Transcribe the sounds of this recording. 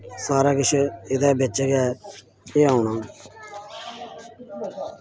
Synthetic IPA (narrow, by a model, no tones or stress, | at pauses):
saːɾaːkɪt͡ʃʰɪd̪ɛːbet͡ʃeːɡɛː | eːaːɳaː